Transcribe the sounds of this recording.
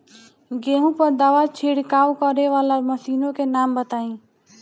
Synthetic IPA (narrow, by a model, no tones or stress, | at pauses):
ɡeɦũpəɾd̪aʋat͡ʃʰiːɽkaːwkəɾeʋaːlaməsiːnõkenaːmbət̪aːĩː